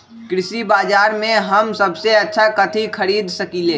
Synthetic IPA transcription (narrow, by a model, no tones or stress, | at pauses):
kɾɪsibaːd͡ʒaːɾmẽɦɐmsɐbseɐtːʃʰakɐt̪ʰikʰɐɾiːd̪sɐkileː